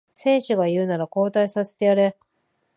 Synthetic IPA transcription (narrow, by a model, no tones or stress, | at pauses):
sẽ̞ːɕɨɡajɯ̟ːnaɾako̞ːt̪aisase̥t̪eaɾe̞